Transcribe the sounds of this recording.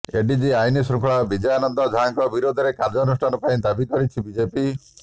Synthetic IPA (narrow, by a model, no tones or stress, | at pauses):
eɖid͡ʒiajnisɾukʰɔɭabid͡ʒɔjanɔnd̪ɔd͡ʒʱaŋkɔbiɾod̪ʱɔɾekaɾd͡ʒɔnusʈʰanɔpaĩd̪abikɔɾit͡ʃʰibid͡ʒepi